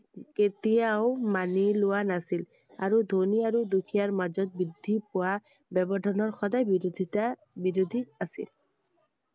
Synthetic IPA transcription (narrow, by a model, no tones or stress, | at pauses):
ket̪ijaʊmanilʊwanasil | aɹud̪ʱoniaɹud̪ukʰijaɹmazɔt̪̚bid̪ʱːipɔwa | bɛbɔdʱɔnɔɹxɔdajbiɾod̪ʱita | biɾod̪ʱiasḭl